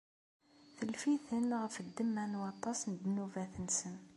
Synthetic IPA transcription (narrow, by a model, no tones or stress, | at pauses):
θəlfiθənʁəfd̪ːəmːænwɑt̪ˤːɑsnəd̪nuvæθənsən